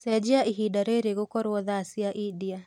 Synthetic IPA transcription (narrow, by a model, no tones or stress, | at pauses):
sɛd͡ʒiaʔiɦiɗaɾeɾeɣukɔɾwɔðasiaʔidia